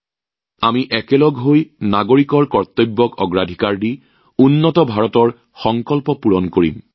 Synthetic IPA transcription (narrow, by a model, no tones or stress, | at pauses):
amiʔɛkɛlɔɡɦojnaɡoɹikɔɹkɔɹt̪obːɔkɔɡɹadʱikaɹdi | unːɔtɔbʱaɹɔtɔɹ | xɔŋkɔlpɔpuɹɔnkoɹḭm